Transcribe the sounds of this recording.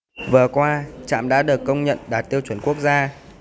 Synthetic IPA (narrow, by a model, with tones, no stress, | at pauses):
vɨ˨˩əkwaː˧t͡ɕa̰ː˧˨mɗa̰ː˧˥ɗɨ˨˩əkːə˧wŋ͡mɲə̰˧˨nɗaː˨˩t̚t̪i˧əwt͡ɕwə˧˩˦nku˦˥ək̚zaː˧